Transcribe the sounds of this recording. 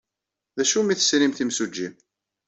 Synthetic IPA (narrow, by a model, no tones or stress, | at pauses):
ðæʃumiθə̥sɾimθimsud͡ʒːim